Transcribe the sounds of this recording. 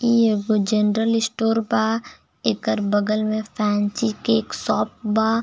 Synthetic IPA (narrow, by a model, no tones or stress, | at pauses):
ieɡod͡ʒenɾəlɪsʈoːɾbaː | ɪkəɾbəɡəlmẽpʰɛːnt͡ʃikeːksɔːp̚baː